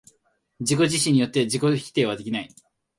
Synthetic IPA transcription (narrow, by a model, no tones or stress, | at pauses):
d͡ʑiko̞ʑiɕĩɲ̟ːijo̞t̪ːe̞d͡ʑiko̞çʲi̥t̪e̞ːβad̪e̞kʲinai